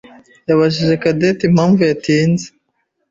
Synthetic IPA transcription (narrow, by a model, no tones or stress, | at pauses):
jaβaʒiʒe̞kadetimhaːɱvujatiːnze